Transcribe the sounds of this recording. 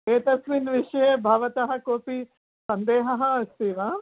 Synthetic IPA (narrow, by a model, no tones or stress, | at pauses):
eːt̪ɐsʋiːnʋɪʃɐjebʱɐːʋɐt̪ɐɦɐ̆koːpi | sɐ̃nd̪eːɦɐɦɐst̪iːʋaː